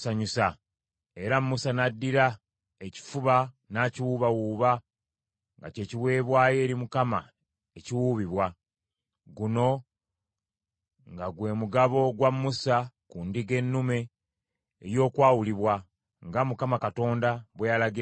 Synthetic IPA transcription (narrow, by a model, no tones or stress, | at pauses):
saɲusa | e̞ɾamːusanadːiɾa | eci̥fuβa | naːciwuβawuːβa | ŋɡa̰ce̞ːciwe̞ːβwaːje̞ːɾimukama | eciwuβiβwa | ɡuno̞ | ŋɡaɡwe̞ːmuɡaβo̞ɡwamːusakundiɡe̞nːume̞̰ː | jo̞ːkwaːwuliβwa | ŋɡamukamakato̞ːndaβwejalaɡi